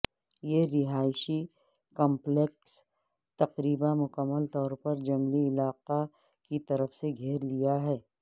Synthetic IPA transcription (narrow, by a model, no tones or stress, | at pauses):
jeɾɪɦaːɪʃi | kɔ̃mpleks | t̪ɐqɾiːbamʊkəmːəlt̪ɔːɾpɐɾd͡ʒɐmliɪlaːqa | kit̪ɐɾəfseɡʱeːɾlijaɦɛː